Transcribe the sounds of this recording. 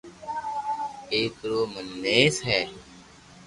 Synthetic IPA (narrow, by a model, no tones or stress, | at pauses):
eːk̪ɾoːmənːeːsɦɛː